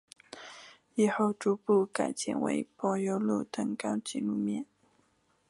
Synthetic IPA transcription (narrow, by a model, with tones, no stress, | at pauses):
i˨˩xo˥˩ʊʈ͡ʂu˧˥pu˥˩ka˨˩ɪt͡ɕjɛ̰˥˩nwḛ˧˥ɪpɔ˧˥jo˧˥ʊlṵ˥˩t̪ɤ˧˥ŋkɑ˥ʊt͡ɕḭ˧˩lu˥˧mjɛ˥˩˨n